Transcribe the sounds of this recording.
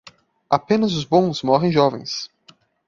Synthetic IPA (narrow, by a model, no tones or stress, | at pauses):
apẽnɐzʊzbõw̃smɔɦẽj̃ʒɔvḛ̃j̃s